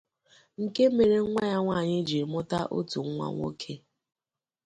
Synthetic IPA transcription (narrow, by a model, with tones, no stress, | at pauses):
ŋ̩˨ke˦me˨ɾe˨ŋ̩ʷ˦a˦ɲa˦ŋʷa˦˨ɲɪ˦d͡ʒi˨mʊ˦ta˦ʔo˦tu˨ŋ˦ŋʷa̰˨ŋʷo̰˦kʰe˦